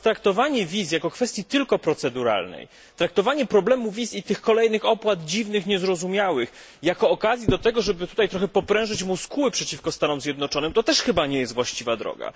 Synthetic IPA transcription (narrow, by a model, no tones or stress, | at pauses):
t̪ɾak̚t̪ɔvaɲɛvʲisjakɔkfɛst̪ʲjit̪ɘlkɔpɾɔt̪sɛd̪uɾa̰lnɛ̰j | t̪ɾak̚t̪ɔvaɲɛpɾɔblɛmuvʲisit̪ɘxkɔlɛjnɘxɔpwad̪d͡ʑivnɘxɲɛzɾɔzumʲjawɘx | jakɔːkazʲjid̪ɔt̪ɛɡɔʐɛbɘt̪ut̪ajt̪ɾɔxɛpɔpɾɛ̃w̃ʐɘt͡ɕmuskuwɘpʂɛt͡ɕifkɔst̪anɔmzʲjɛd̪nɔt͡ʂɔnɘmt̪ɔt̪ɛʂxɘbaɲɛjɛst̪vwaɕt͡ɕivad̪ɾɔ̰ɡa̰